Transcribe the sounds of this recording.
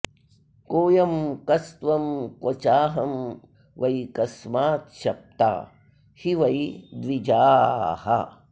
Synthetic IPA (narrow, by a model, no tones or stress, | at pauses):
koːjɐmkɐst̪ʋɐmkot͡ʃaːɦɐm | ʋɐikɐsmaːt̪ʃɐp̚t̪a̰ː | hiʋɐid̪ʋid͡ʒaːhɐ̰